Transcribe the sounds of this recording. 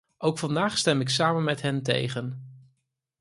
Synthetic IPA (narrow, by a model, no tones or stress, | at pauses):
ʔowkfɑndaːχstɛmɪksaːmənmɛtɦɛntḛjχən